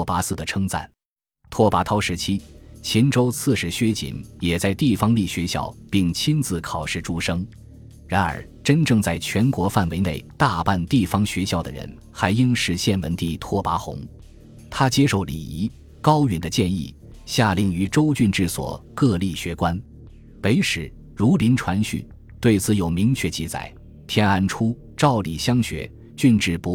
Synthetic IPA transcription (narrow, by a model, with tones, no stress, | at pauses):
pa˧˥sɹ̩˥˩d̪ə˩ʈ͡ʂʰɤ˥ŋt͡sa̰˥˩n | t̪ʰwɔ˥pa˧˥t̪ʰɑ˥ʊʂɻ̩˧˥t͡ɕʰi˥t͡ɕʰi˧˥nʈ͡ʂo˥ʊt͡sʰɹ̩˥˧ʂɻ̩˧˥ɕɥɛ˥t͡ɕḭ˨˩njɛ˨˩t͡sa˥˧ɪt̪i˥˩fɑ˥ŋli˥˩ɕɥɛ˧˥ɕjɑ̰˥˩ʊpi˥˩ŋt͡ɕʰi˥nt͡sɹ̩˧˩kʰɑ˨˩ʊʂɻ̩˥˩ʈ͡ʂu˥˩ʂɤ˥ŋ | ɻa˧˥nə̰˞˨˧˥ʈ͡ʂə˥nʈ͡ʂɤ˥˧ŋt͡sa˥˩ɪt͡ɕʰɥɛ˧˥nkwɔ˧˥fa˥˩nwe˧˥ɪne˥˩ɪt̪a˥˧pa˥˧nt̪i˥˩fɑ˥ŋɕɥɛ˧˥ɕjɑ˥˩ʊd̪ə̰˩ɻə̰˧˥n | xa˧˥ɪi˥ŋʂɻ̩˧˥ɕjɛ˥˩nwə˧˥nt̪i˥˩t̪ʰwɔ˥pa˧˥xʊ̰˧˥ŋ | t̪ʰa˥t͡ɕjɛ˥ʂo˥˩ʊlḭ˨˩i˧˥ | kɑ˥ʊy˧˥˩nd̪ə˧t͡ɕjɛ˥˧nḭ˥˩ | ɕja˥˧li˧˩ŋy˧˥ʈ͡ʂo˥ʊt͡ɕy˥˧nʈ͡ʂɻ̩˥˩swɔ̰˨˩kɤ˥˧li˥˩ɕɥɛ˧˥kwa˥n | pe˧˥ɪʂɻ̩˨˩ | ɻu˧˥li˧˥nʈ͡ʂʰwa˧˥nɕy̰˥˩n | t̪we˥˩ɪt͡sʰɹ̩˧˩jo˨˩ʊmi˧˥ŋt͡ɕʰɥɛ˥˩t͡ɕi˥˩t͡sa̰˨˩ɪ | t̪ʰjɛ˥na˥˩nʈ͡ʂʰu˥ | ʈ͡ʂɑ˥˩ʊli˨˩ɕjɑ˥ŋɕɥɛ̰˧˥ | t͡ɕy˥˧nʈ͡ʂɻ̩˥˩pu˧˥